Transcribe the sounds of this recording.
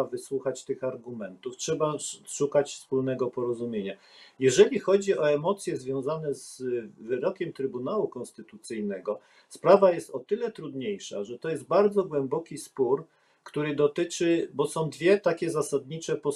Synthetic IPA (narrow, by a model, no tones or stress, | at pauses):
avɘswuxat͡ɕt̪ɘxaɾɡumɛnt̪uftʂɛbaʂukat͡ɕfspulnɛɡɔpɔɾɔzumʲjeɲa | jɛʐɛlʲixɔd͡ʑiʔɔɛmɔt̪sʲjɛzvʲjɔ̃w̃zanɛzvɘɾɔkʲɛmt̪ɾɘbunawukɔ̃nst̪ɘt̪ut̪sɘjnɛɡɔ | spɾavajɛst̪ɔt̪ɘlɛt̪ɾud̪ɲejʂa̰ʐɛt̪ɔjɛst̪̚baɾd̪zɔɡwɛmbɔkʲispuɾ | kt̪uɾɘd̪ɔt̪ɘt͡ʂɘbɔsɔ̃w̃d̪vʲjɛt̪akʲɛzasad̪ɲit͡ʂɛpɔ